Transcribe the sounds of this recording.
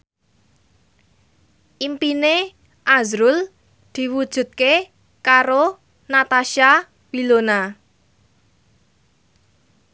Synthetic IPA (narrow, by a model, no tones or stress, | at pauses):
ʔimpine | ʔazɾul | d̪̥i̤wud̥ʒ̥ṳt̪̚ke | kaɾo | nat̪aʃa | wilona